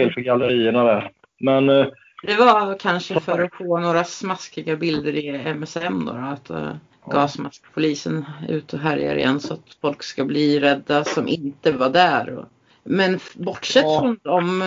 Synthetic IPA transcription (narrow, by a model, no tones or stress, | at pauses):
ɪːlfœɾɡaləɾiːəɳad̪æɾ | mɛn | d̪̥ɛvakʰanʂəfœɾɔfoːnoːɾasmaskɪɡabɪld̪əɾɪɛmɛsɛmd̪o̰ːɾɔat̪ | ɡɑːsmaskpʰʊliːsənʉ̟ːt̪ʰɔɦæɾja̰ɾɪ̰jɛ̰nːsɔat̪fɔlkskabliːɾɛd̪ːasɔmʔɪnt̪əvaɖ̪æːɾɔ̰ | mɛnbɔʈːʂɛt̪ːhɵnd̪ɔm